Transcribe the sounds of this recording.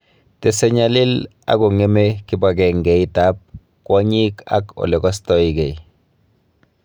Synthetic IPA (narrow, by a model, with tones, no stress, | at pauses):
te˨se˦ɲa˦li˦l | a̰˨ɡo˨ŋe˦me˦ki˦ba˨ɡɛ˨ŋɡɛ˨i˦ta˦p̚ | kwa˦ɲi˦ka̰˦ko̰˨le˨ɡɔ˦stɔiɡɛ˨i